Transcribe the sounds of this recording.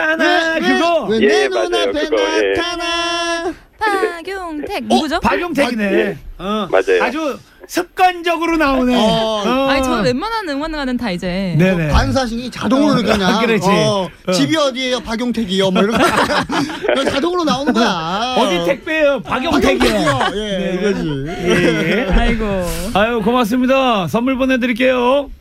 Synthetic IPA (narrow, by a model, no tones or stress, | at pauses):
anaɯɡʌeenonapentʰana | pɡoŋtʰek̚ɡɯd͡ʑopaɡjoŋtʰeneʌma̰d͡ʑajad͡ʑu | sʰɯp̚k͈and͡ʑʌɡɯɾonaonɯmaʌwemananɯŋwanɡanɯntʰaid͡ʑene̞ne̞pans̬ʰaɕ̬ʰiɡit͡ɕadoŋɯɾoɾɯkːɲakɯɾʌt͡ɕi | t͡ɕibiʌdiejʌpaɡjoŋtʰeɡijomoɾ | ʌt͡ɕadoŋɯɾonaonɯŋɡʌjaʌd͡ʑit̪ʰek̚p͈eopaɡjoŋtʰeɡiejeneiɡʌd͡ʑi | jeaiɡoajokomas̬͈ɯmɲidas̬ʰʌmːuɭbonedɯɾik͈e̞jo